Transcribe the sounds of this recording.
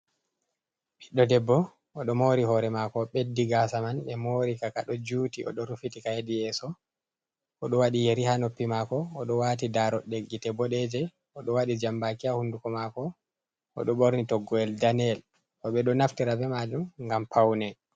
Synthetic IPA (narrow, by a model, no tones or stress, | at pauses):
ɓiɗːɔdɛbːɔ | ɔɗɔmoɾihɔɾɛmakɔɓedːiɡasamanɓɛmoɾikakaɗɔd͡ʒutiʔɔ̰ɗɔɾufitikahedijɛsɔ | ɔɗɔwaɗijeɾihanopːimakɔːɗɔwatidaɾɔɗeɡːitɛbɔɗɛd͡ʒɛ | ɔɗɔwaɗid͡ʒambakiahundukɔmakɔ | ɔ̰ɗɔɓoɾnitɔɡːɔɛldanɛl | ʔɔɓɛɗɔnaftiɾabɛmad͡ʒumŋɡampʰawnɛ